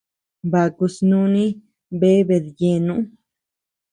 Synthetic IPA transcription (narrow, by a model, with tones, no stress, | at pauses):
ba˨ku˧snũ˧nĩ˦ | be˦βe˨ðje˧nũ˦